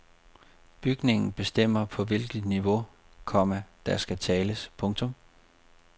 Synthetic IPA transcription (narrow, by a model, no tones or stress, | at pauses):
b̥yɡ̥ne̝ŋn̩b̥e̝sd̥em̰ɐpʰɒ̽ʋe̝lɡ̥əð̥ˠniʋo̝ | kʰɒ̽m̰əd̥æsɡ̥æt͡sʰɛːləspʰɔ̽ŋt͡sʰɔ̽m